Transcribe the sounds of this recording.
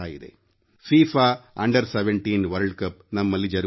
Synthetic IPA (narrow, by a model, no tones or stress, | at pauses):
aːjḭd̪ḛ | fiːfaːɐɳɖɐɾseʋeɳʈiːnʋɐɾɖkɐpnɐmːɐlːid͡ʒɐɾ